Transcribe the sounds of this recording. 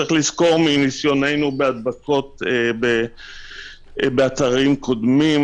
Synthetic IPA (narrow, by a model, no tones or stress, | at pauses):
iχlizko̞ʁminisjo̞nejnubead̪̚bakʰo̞t̪ebe | beat̪aʁimkʰo̞d̪mim